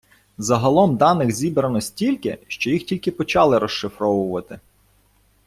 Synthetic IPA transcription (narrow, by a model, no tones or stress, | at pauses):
zɐɦɐlˠɔmd̪ɑnɪxzʲibɾɐnɔsʲtʲilʲkɪʃt͡ʃɔjixtʲilʲkɪpɔt͡ʃɑlˠɪɾɔʃːɪfɾɔʋʊʋɐt̪ɪ